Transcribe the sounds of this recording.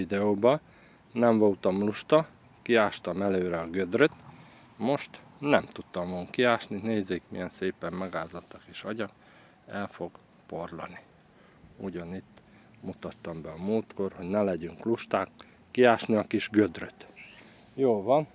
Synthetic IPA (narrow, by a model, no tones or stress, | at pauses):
id̪ɛoːbɒ | nɛɱvɒlt̪ɒmluʃt̪ɒ | kiaːʃt̪ɒmɛløːɾɛɒɡød̪røt̪ | mo̞ʃt̪ | nɛmt̪ut̪ːɒmɒɡuŋkːiaːʃnineːzeːkmḭjɛnseːpɛmmɛɡaːzɒt̪ːɒkiʃɒɟɒk | ɛlfo̞ɡ | po̞rlɒ̰ni | uɟɒnit̪ː | mut̪ɒt̪ːɒmbɛɒmoːt̪ko̞rho̞ɟnɛlɛɟyŋkluʃt̪aːkː | iaːʃniɒkiʒɡød̪røt̪ | joːlvɒn